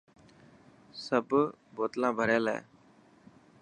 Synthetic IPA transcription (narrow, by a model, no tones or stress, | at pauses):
səbboːt̪lãːbʱəɾeːlɛ̰ː